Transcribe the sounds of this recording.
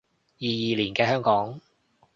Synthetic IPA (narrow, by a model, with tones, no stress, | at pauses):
jiː˨jiː˨liː˨˩nkɛː˧ɦœː˥ŋkɔː˨˥ŋ